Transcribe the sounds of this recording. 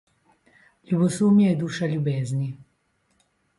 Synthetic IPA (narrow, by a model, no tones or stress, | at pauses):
lʲubɔsumjajɛd̪uːʃalʲubeːznʲi